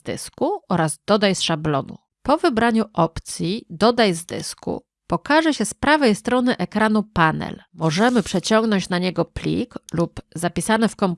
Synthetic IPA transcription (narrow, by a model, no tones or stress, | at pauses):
d̪ɘ̰skuɔɾazd̪̥ɔd̪ajsʂablɔ̰nṵ | pɔvɘbɾaɲuʔɔpt̪sʲjid̪ɔd̪ajzd̪ɘ̰skṵ | pɔkaʐɛɕɛspɾavɛjst̪ɾɔnɘʔɛkɾanupanɛ̰lmɔʐɛmɘpʂɛt͡ɕɔŋɡnɔɲt͡ɕnaɲɛɡɔplʲḭklupzapʲisanɘfkɔm